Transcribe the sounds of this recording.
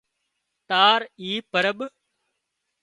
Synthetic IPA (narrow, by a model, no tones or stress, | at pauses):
t̪aːɾiːpəɾəɓ